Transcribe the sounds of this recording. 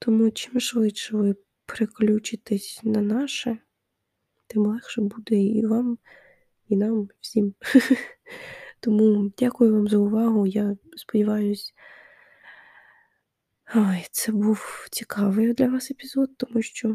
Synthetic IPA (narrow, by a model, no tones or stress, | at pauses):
t̪ɔmut͡ʃɪmʃʋɪt̪ʃɛʋɪ | pɾeklʲut͡ʃɪt̪ɛsʲnɐnɑʃɛ | t̪ɪmlˠɛxʃɛbud̪ɛiʋɑm | inɑmwsʲim | t̪ɔmudʲakʊjʊʋɑmzɐʊʋɑɦʊjaspɔdʲiʋɑjʊsʲ | ajt̪sɛbuwt͡sʲikʰɑʋɪd̪lʲɐʋɑsepʲizɔd̪̚t̪ɔmuʃt͡ʃɔ